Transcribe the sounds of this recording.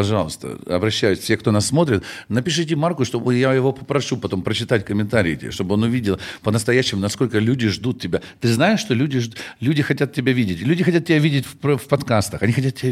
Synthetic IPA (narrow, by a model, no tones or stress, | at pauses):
pɐʐɑlˠəst̪ə̰ɐ̰bɾɐɕːæjʊsʲfʲsʲexkt̪o̞nasːmo̞t̪ɾʲɪt̪nəpʲɪʂ̬ɨt̬ʲɪmarkʊʂt̪ojajɪvo̞pəpɾɐʂupɐt̪o̞mpɾət͡ɕɪt̪atʲkəmʲɪnt̪aɾʲɪ̰ːt̪ʲɪ̰ʂt̪o̞bəɨo̞nʊvʲidʲɪlˠpənəst̪ɐjæɕːɪmʊnɐsko̞lʲkəlʲudʲɪʐd̪ut̪̚tʲɪbʲat̪ɨznajɪʂːt̪o̞lʲudʲɪʐlʲʉdʲɪxɐtʲat̪̚tʲɪbʲavʲidʲɪtʲlʲʉdʲɪxɐtʲat̪̚tʲːɪbʲavʲidʲɪtʲfpfpɐt̪kast̪əxɐnʲixɐtʲat̪̚tʲːɪbʲa